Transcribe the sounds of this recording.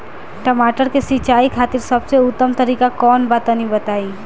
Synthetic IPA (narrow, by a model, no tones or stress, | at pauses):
ʈəmaʈəɾkesit͡ʃaːikʰaːt̪iɾsəbseʊt̪ːəmt̪əɾikakɔːnbat̪ãnibət̪ai